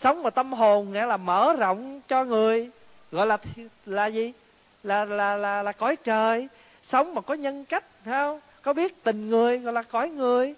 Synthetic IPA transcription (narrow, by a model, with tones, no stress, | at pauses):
sə˨˦wŋ͡mmaː˨˩t̪ə˧mɦo˨˩nŋɛ̰˧˥laː˨˩məː˧˩˦zə̰˧˨wŋ͡mt͡ɕɔ˧ŋɨ˨˩əj | ɣɔ̰˧˨jlaː˨˩t̪ʰlaː˨˩zi˨˩ | laː˨˩laː˨˩laː˨˩laː˨˩kɔ˨˦jt͡ɕəː˨˩j | sə˨˦wŋ͡mmaː˨˩kɔ˨˦ɲə˧nka˦˥jk̟̚hɛː˧wŋ͡m | kɔ˨˦ɓi˦˥ət̚t̪ï˨˩ŋ̟ŋɨ˨˩əjɣɔ̰˧˨jlaː˨˩kɔ˨˩˦jŋɨ˨˩əj